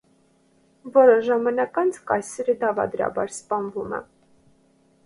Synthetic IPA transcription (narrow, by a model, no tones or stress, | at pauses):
vɔɾəʒɑmɑnɑkɑnt͡sʰkɑjsɛɾəd̪ɑvɑ̰d̪ɾɑ̰bɑ̰ɾspɑnvumɛ̰